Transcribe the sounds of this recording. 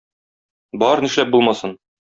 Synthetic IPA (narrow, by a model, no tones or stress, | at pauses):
bɒɾnĭʃlæp̚bulˠmɑsɤn